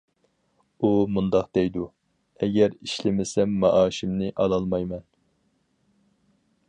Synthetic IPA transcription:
umund̪ɑqd̪̥ɛjd̪u | ɛɡʲɛɾiʃlɪmɪsɛmːɑʔɑːʃimnɪʔɑlˠɑlˠmɑjmɛn

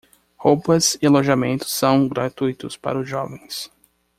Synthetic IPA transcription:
howpɐsɪaloʒamẽnt̪ʊ̥sːɐ̃w̃ɡɾat̪ujt̪ʊspa̰ɾɐʊzʒɔvẽj̃s

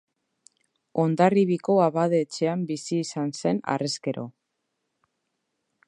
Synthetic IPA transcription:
o̞nd̪ariβiko̞aβaðeːt͡ʃe̞ambisiːsanse̞na̰re̞ske̞ɾʔo̞̰

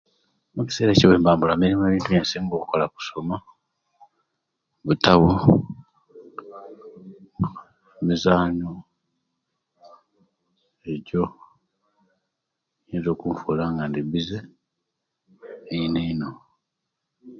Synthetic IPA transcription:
muci̥se̞ːɾeceβe̞ːmbaːmbulamiɾimue̞ːβiːntuβjensiːŋɡokuko̞laku̥so̞ma | βutaβu | mizaːɲo | eco̞ | jeːnzo̞ːkuɱfulaŋɡandiβize | ineino̞

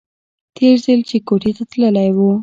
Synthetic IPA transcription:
t̪ʰeɾzəlt͡ʃekoʈit̪at̪ləlajwu

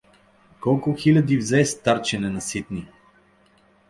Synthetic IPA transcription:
kɔlˠkʊxilʲɐd̪ivzɛst̪aɾt͡ʃɛnɛnɐsit̪ni

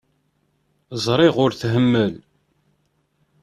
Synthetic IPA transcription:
zˤɾˤɪʁʊɾθɦəmːəl

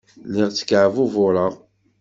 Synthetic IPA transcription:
lɪʁt͡sːə̥kːʕvuvʊɾəʁ

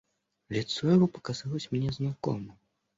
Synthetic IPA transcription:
lʲit̪sːɔjavɔpɐ̥kazalˠusʲmʲnʲɛznakɔ̰mɐ

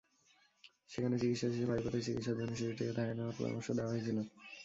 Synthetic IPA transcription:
ʃekʰanet͡ɕikit̪ʃaibʱaikot̪eɾt͡ɕikit̪ʃad͡ʑoniʃiiʈid̪ʱaeneoaɾpɔ̰ɾo̰mo̰ɾʃod̪eaɦojt͡ɕʰilo

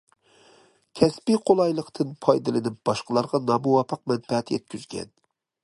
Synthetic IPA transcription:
kʲʰɛspiqʰolˠɑjlˠəqt̪ʰɨnpʰɑjd̪ɨlˠɨnɪp̚b̥ɑʃqəlˠɑɾʁɑnɑmuwɑpʰːəq̚mɛnfɛɛt̪ʰjɛ̰t̪̚kʲyzɡʲɛ̰n

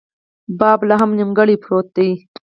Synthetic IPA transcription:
bɑːblaɦɐmnimɡɐɽipʰɾoːt̪̚d̪ij

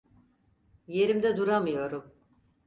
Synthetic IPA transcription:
je̞ɾimd̪ɛd̪uɾamɯjo̞ɾum

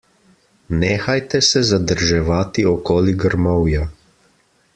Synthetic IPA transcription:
nɛːxajt̪ɛsɛzad̪əɾʒɛʋaːt̪iɔkɔːliɡəɾmɔwja

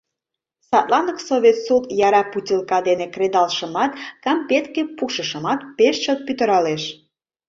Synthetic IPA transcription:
sɑt̪lɑnəksoβʲet̪sut̪jɑɾɑputʲilkɑd̪enekred̪ɑlʃəmɑt̪kɑmpet̪kepuʃə̆ʃə̆mɑt̪peʃt͡ɕət̪̚pyt̪ə̆ɾɑleʃ

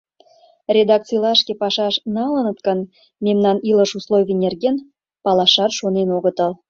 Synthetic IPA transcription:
rʲed̪ɑk̪̚t͡sɨjlɑʃkʲepɑʃɑʃnɑlənət̪kən | memnɑniləʃuslˠojvʲenʲerɣen | pɑlɑʃɑrʃonenoɣət̪əl

